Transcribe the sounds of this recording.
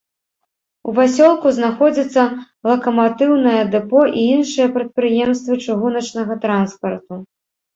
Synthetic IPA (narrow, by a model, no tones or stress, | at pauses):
uvasʲɔlˠkuznaxɔd͡zʲit̪sːɐ | lˠɐkɐmat̪ɨwnɐjɐd̪ɛpɔʔiinʂɨjɐpɾɐt̪̚pɾɨjɛmst̪vɨt͡ʂɨɣunɐt͡ʂnɐɣɐt̪ɾanspɐrt̪u